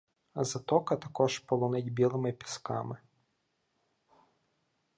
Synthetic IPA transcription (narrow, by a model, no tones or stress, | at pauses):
zɐt̪ɔkɐt̪ɐkɔʒpɔlˠɔnɪdʲbʲilˠɪmɪpʲi̥skɑ̰mɪ